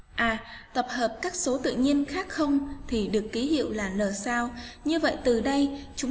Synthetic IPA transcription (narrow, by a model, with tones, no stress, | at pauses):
ʔaː˨˩t̪ə˨˩p̚həː˨˩p̚kaː˦˥k̚so˨˦t̪ɨ̰˧˨ɲi˧ənxaː˦˥k̚xə˧wŋ͡mt̪ʰi˨˩ɗɨ˨˩əkːi˨˦ɦḭ˧˨əwlaː˨˩ləː˨˩saː˧wɲɨ˧və̰˧˨jt̪ɨ˨˩ɗə˧jt͡ɕʊ˨˦ŋ͡m